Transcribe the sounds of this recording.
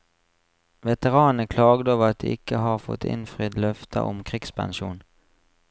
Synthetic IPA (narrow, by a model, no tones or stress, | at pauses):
ʋɛt̪əʁɑːnəkʰlɑːɡd̪əɑːʋəʁɑt̪̚d̪ḭːɪkəɦɑːʁfɔ̰t̪ʰɪ̰nfʁid̪lœft̪ʰə̰ʔɔmkʰʁɪɡspʰɑ̰nʃuːn